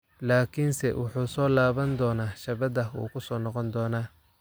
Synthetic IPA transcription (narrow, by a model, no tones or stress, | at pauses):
laːkʰinsɛ̰wʊħuːsɔːlaːβɐnd̪ɔːnaːʃɐβɐd̪ɐṵːkʰʊsɔːnɔqɔnd̪ɔːnaː